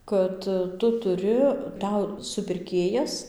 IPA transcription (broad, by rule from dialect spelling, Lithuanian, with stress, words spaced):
ˈkɐt ˈtʊ tʊˈrʲɪ ˈtɐʊ sʊpʲɪrʲˈkʲeːjɛs